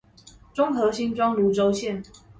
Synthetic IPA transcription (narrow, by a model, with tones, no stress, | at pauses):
ʈ͡ʂʊ˥ŋxɤ˨˧˥ɕi˥nʈ͡ʂwɑ˦ŋlu˨˥ʈ͡ʂo˥ʊɕjɛ˥˨n